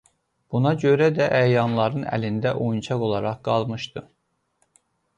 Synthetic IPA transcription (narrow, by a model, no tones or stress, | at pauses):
b̥unɑɟø̞ɾæd̪æʔæjɑnlˠɑɾɯnæ̰lind̪æʔojunt͡ʃʰɑɡo̞lˠɑɾɑχɡɑlˠmɯʃt̪ɯ